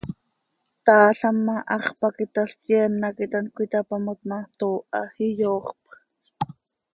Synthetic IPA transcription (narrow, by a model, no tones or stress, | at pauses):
t̪ɑːɬɑmːɑʔɑχpakit̪aɬkjɛnːakit̪ankʷit̪apamat̪̚mɑt̪oːʔɑhijoːχpχ